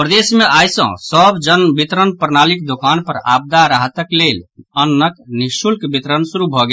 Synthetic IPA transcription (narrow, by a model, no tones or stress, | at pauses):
pɾəd̪esmeʔajsə̰̃səbd͡ʒənbit̪ɾənpəɾnalikd̪okanpəɾa̰b̚d̪aɾaɦt̪əklelənːəknisulkbit̪ɾənsuɾubʱɔɡe